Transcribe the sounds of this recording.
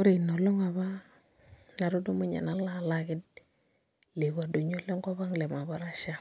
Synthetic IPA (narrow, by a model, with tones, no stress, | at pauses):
o˦ɾi˨no˨lɔ˦ŋa˨βa˦ | na˨ɾo˦do˦mu˦ɲa̰˨na˨la˦˨la˦kɪ˦d̚ | le˨ka˨do˨ɲo˦lɔ˦ŋɡa˦βa˦ŋle˨ma˨βa˦ɾa˦ʃa˦